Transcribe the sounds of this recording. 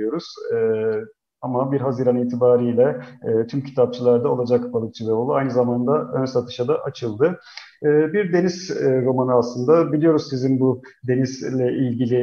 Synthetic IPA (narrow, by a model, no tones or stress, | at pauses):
jo̞ɾuz̥ | amabiɾɦazɯɾaniːt̪ʰibaːɾijlʲɛːt̪ʰymcʰi̥t̪ʰap̚t͡ʃʰɯlˠaɾd̪ao̞lˠad͡ʒakbalˠɯk̚t͡ʃʰɯvɛo̞lˠuajnɯzamand̪aønsat̪ʰɯ̥ʃad̪aʔat͡ʃʰɯlˠd̪ɯː | biɾd̪e̞nizɾo̞manɯaslˠɯnd̪abilʲijo̞ɾuzsizinbud̪e̞nizlʲɛʔilʲɟilʲi